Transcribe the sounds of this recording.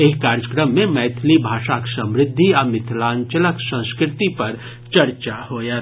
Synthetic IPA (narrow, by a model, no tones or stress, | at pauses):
eːkaːɾjəkɾəmːẽmɛːt̪ʰlibʱaːʃaksɐ̃mɾɪd̪ʱːiaːmɪt̪ʰlãːɲt͡ʃələksə̃ñskɾɪt̪ipɐɾ | t͡ʃɐɾt͡ʃahoːja